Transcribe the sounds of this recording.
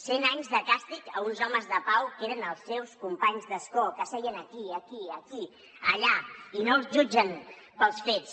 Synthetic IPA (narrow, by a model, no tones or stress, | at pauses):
senaɲzðəkast̪ikəunzɔməzðəpawkeɾənəlˠsːewskumpaɲzðəskɔkəsɛiənəkiəkiəki | əʎainolˠzʒud͡ʒən | pəlˠsfet͡s